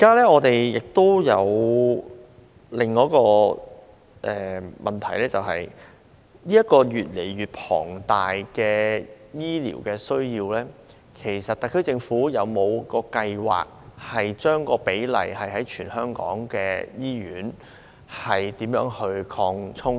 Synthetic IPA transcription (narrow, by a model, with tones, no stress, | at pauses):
kaː˥lɛː˥ŋɔː˨˧t̪e˨jjɪ˨k̚t̪o˥wjɐ˨˧w | lɪ˨ŋːɔː˨˥kɔː˧ | ʔɛː˨mʔɐ˨nt̪ʰɐ˨˩jlɛː˥t͡sɐ˨whɐ˨j | niː˥ɐ˥t̚kɔː˧ɥyː˨t̚le˨˩jɥyː˨t̚pʰɔ̰ː˨˩ŋt̪aː˨jkɛː˧jiː˥lḭː˨˩wkɛː˧sɵ˥ɥjiː˧wlɛː˥ | kʰe˨˩jsɐ˨t̚t̪ɐ˨˧kʰɵ˥t͡sɪ˧ŋfuː˨˥jɐ˨˧wmo˨˧wkɔː˧kɐ˧jwa̰ː˨˩k̚hɐ˨jt͡ʃœː˥ŋkɔː˧pe˨˥jlɐ̰˨˩jhɐ˨jɦɐ˨˥jt͡ʃʰyː˨˩nhœː˥ŋkɔ̰ː˨˥ŋkɛ̰ː˧jiː˥ɥyː˨˥n | hɐ˨jt̪iː˨˥mjœː˨˥ŋhɵ˧ɥkʰɔː˧ŋt͡sʰʊ˥ŋ